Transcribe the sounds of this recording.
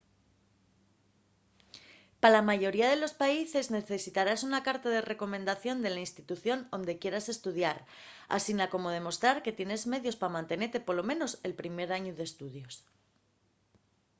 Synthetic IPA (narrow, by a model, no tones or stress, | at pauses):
palamaʝo̞ɾiaðe̞lo̞spaise̞zne̞θesit̪aɾasunakaɾt̪aðe̞re̞ko̞mẽ̞nd̪aθjo̞nd̪e̞lainst̪it̪uθjo̞no̞nd̪e̞kje̞ɾase̞st̪uðjaɾ | a̰sinako̞mo̞ðe̞mo̞st̪ɾaɾke̞t̪je̞ne̞zme̞ðjo̞spamãnt̪e̞ne̞ɾt̪e̞po̞ɾlo̞mẽ̞no̞se̞lpɾime̞ɾaɲoðe̞st̪uðjo̞s